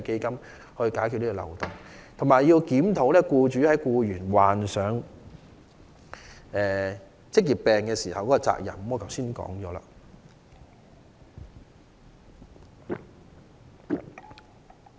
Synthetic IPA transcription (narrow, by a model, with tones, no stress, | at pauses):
ke˥jkɐ˥m | hɵ˧ɥkaː˨˥jkʰy˨˧niː˥kːɔ˧lɐ̰˨˩wt̪ʊ˨˩ŋt̪ʰʊ˨ŋmaː˨˩jji˧wkiː˨˥mt̪ʰo˨˥wlɛː˥kuː˧t͡ʃyː˨˥hɐ˨˥jkuː˧jyː˨˩nwaː˨nsœː˨˧˥ŋ | ɛː˨ | t͡sɪ˥k̚jiː˨˩p̚pɛː˨˧ŋkɛː˧siː˨˩hɐ˨wkɔ˨˥kɔ˧t͡sa̰ː˧k̚jɐ̰˨˩m˨˦mɔː˨˧kɐ˨wsiː˥nkɔ̰ː˨˥ŋt͡ʃɔː˨˧˥la̰ː˧